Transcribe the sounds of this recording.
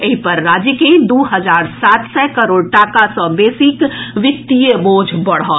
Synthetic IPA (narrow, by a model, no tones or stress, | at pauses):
eipəɾːaːd͡ʒjəked̪uːɦəd͡ʒaːɾsaːt̪sɛkəɾoːɽʈaːkasɔ̃beːsɪkʋɪk̚t̪ijeboːd͡ʒʱbɐɽ̤ɔː